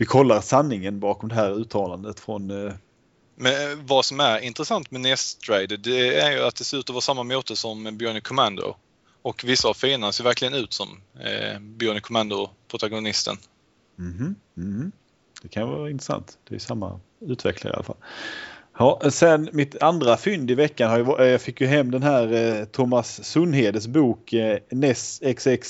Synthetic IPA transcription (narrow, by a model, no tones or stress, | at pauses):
vɪkʰɔlːaɾsanːɪŋənbɑːkɔmd̪ɛɦæːɾʉ̟ːt̪ʰɑːland̪ət̪fɾɔn | mɛnvasɔmæɾɪnt̪ɾəsant̪mɛnɛst̪ʰɾɛɪd̪əd̪ɛæɾjɵat̪̚d̪ɛseːɾʉ̟ːt̪ɔvɑːsamːamoːt̪əsɔmbjœɳɪkʰːɔmand̪ʊ̰ | ɔkvɪsːaavfeːnanseːɾvæɾkʰlɪɡənʉ̟ːt̪sɔm | bjɔnɪkʰʊmand̪ʊpʰɾʊt̪aɡʊnɪst̪ə̰n | m̩h̩h̩ː | d̪̥ɛkʰanjəvɑ̰ːɾaɪnt̪ɾɛsa̰nt̪d̪̥ɛ̰jsamːa̰ | ʉ̟ːt̪vɛ̰kʰla̰ɾɪ̰a̰lafa̰l | hɑːsɛnmɪt̪and̪ɾafʏnd̪ɪvɛkːanhaɾjəvjɑːɡfɪkːjɵɦɛmːd̪ɛnɦæːɾt̪ʰʊmːasːɵnːɦeːd̪əs̬buːknɛsɛksɛks